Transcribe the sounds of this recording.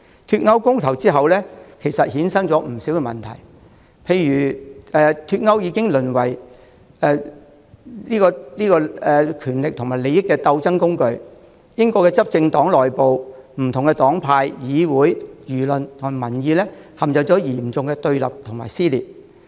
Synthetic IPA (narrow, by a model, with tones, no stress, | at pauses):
t̪ʰyː˧t̚ŋɐ˥wkʊ˥ŋt̪ʰɐ˨˩wt͡siː˥ɦɐ˨wlɛː˥kʰe˨˩jsɐ˨t̚hiː˨˥nsɐ˥ŋt͡sɔː˨˥m̩˨˩si˨˥wkɛ˧mɐ̰˨nt̪ʰɐ̰˨˩j | pʰe˧jjyː˨˩ʔɛː˨t̪ʰyː˧t̚ŋɐ˥wjiː˨˧kɪ˥ŋlɵ˨˩nwɐ˨˩j | ɛː˨˧ | liː˥kɔː˧liː˥kɔː˧ɛː˨kʰyː˨˩nlɪ˨k̚t̪ʰʊ˨˩ŋmaː˨˩jle˨˧jɪ˥kːɛː˧t̪ɐ˧wt͡sɐ˥ŋkʊ˥ŋkɵ˧ɥ | jɪ˥ŋkɔː˧kɛ˧t͡sɐ˥p̚t͡sɪ˧ŋt̪ɔː˨˥ŋlɔː˨jpo˨wm̩˨˩t̪ʰʊ˨˩ŋkɛ˧t̪ɔː˨˥ŋpʰaː˧jjiː˨˧wuː˨˥jjyː˨˩lɵ˨nt̪ʰʊ˨ŋ˨˩mɐ˨˩njiː˨˧lɛː˥ | hɐ˨mt͡sɐ˨˩t͡sɔː˨˥jiː˨˩mt͡sʊ˨ŋkɛː˧t̪ɵ˧ɥlɐ̰˨p̚t̪ʰʊ˨˩ŋmaː˨˩jsiː˥lḭː˨t̚